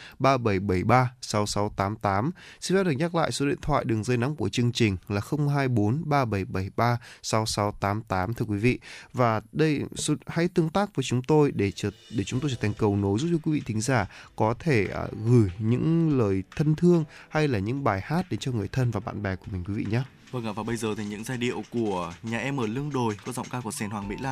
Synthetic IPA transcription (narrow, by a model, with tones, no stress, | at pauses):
ɓaː˧ɓə˧˩jɓə˧˩jɓaː˧sa˨˦wsa˨˦wt̪aː˨˦mt̪aː˨˦msi˧nzaː˨˦˥ɗɨ˨˩ɲa˦˥k̚la̰ː˧˨jso˨˦ɗḭ˧˨ənt̪ʰwa̰ː˧˨jɗɨ˨˩əŋzə˧jna˨˦ŋ͡mku˧˩ət͡ɕɨ˧əŋt͡ɕï˨˩ŋ̟laː˨˩xə˧wŋ͡mɦaː˧jɓo˨˦nɓaː˧ɓə˧˩jɓə˧˩jɓaː˧sa˨˦wsa˨˦wt̪aː˨˦mt̪aː˨˦mt̪ʰɨ˧ə˧kwi˨˦vḭ˧˨vaː˨˩ɗə˧jso˨˦ha̰˧˥jt̪ɨ˧əŋt̪aː˦˥k̚vəː˨˦jt͡ɕʊ˨˦ŋ͡mt̪o˧jɗe˧˩˧ɗe˧˩t͡ɕʊ˨˦ŋ͡mt̪o˧jt͡ɕəː˧˩t̪ʰŋ̟kə˨˩wno˨˦jzu˦˥p̚t͡ɕɔ˧kwi˨˦vḭ˧˨t̪ʰï˨˦ŋ̟zaː˧˩kɔ˨˦t̪ʰe˧˩ə̰˨˩ɣɨ˧˩jɲɨ̰˧˥ŋləː˨˩jt̪ʰə˧nt̪ʰɨ˧əŋha˧jlaː˨˩ɲɨ̰˧˥ŋɓaː˨˩jhaː˦˥t̚ɗe˨˦nt͡ɕɔ˧ŋɨ˨˩əjt̪ʰə˧nvaː˨˩ɓa̰ː˧˨nɓɛ˨˩ku˧˩əmi̟˨˩kwi˨˦vḭ˧˨ɲaː˨˦ | və˧ŋʔaː˧˩vaː˨˩ɓə˧jzəː˨˩t̪ʰi˨˩ɲɨ̰˧˥ŋzaː˧˩jɗḭ˧˨əwku˧˩əɲaː˨˩ʔɛ˧mʔəː˧˩lɨ˧əŋɗo˨˩jkɔ˨˦zɔ̰˧˨wŋ͡mkaː˧ku˧˩əsɛ˧˩nhwaː˨˩ŋmḭ˧˥laː˧˨